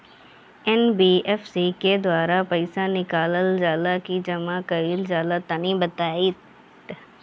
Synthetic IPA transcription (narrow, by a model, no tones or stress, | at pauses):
ɛnbiːɛfsiked̪waːɾapɐɪsanɪkaːləld͡ʒaːlakid͡ʒɐmakɐilzaːlat̪ɐnĩbɐt̪aːit̪